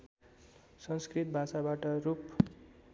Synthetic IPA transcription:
sʌnskrit̪̚bʱasabaʈʌɾup

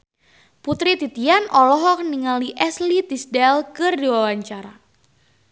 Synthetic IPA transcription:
put̪ɾit̪it̪ianʔɔlɔɦɔk̚niŋaliʔɛslit̪isdɛlkɨrdiwawaɲt͡ʃaɾa

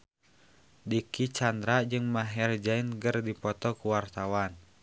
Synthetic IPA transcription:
dikit͡ʃandɾad͡ʒɨŋmaɦɛrd͡ʒainɡərdipɔt̪ɔkuwart̪awan

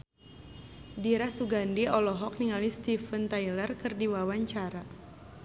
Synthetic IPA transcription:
diɾasuɡandiɔlɔɦɔk̚niŋalist̪ifənt̪ailərkɨrdiwawaɲt͡ʃaɾa

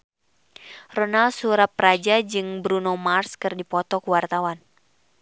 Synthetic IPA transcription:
rɔnalsuɾapɾad͡ʒad͡ʒɨŋbɾunomarskɨrdipɔt̪ɔkuwart̪awan

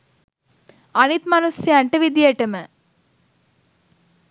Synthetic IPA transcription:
ɐnit̪mɐnusjɐɐɳʈɐʋid̪jeʈɐmɐ

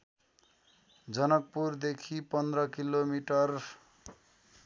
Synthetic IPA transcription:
d͡zʌnʌk̚purd̪ekʰipʌnd̪rʌkilomiʈʌr

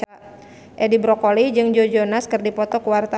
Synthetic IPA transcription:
ʔedibɾɔkolid͡ʒɨŋd͡ʒod͡ʒonaskɨrdipɔt̪ɔkuwart̪a

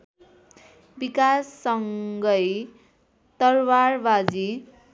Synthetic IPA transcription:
bikasːʌŋɡʌj | t̪ʌrwarbad͡zi

